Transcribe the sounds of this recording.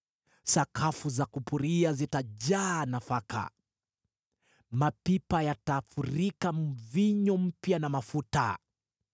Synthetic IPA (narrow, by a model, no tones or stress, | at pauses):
sakʰafuzakupuɾiazitaʄaːnafaka̰ | mapipajatafuɾikam̩viɲɔm̩pjanamafuta̰